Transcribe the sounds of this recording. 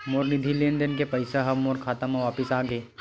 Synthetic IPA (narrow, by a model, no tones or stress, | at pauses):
moːɾnɪd̪ʱilend̪enkepɐɪsaɦɐbmoːɾkʰaːt̪amãʋaːpɪsaːɡeː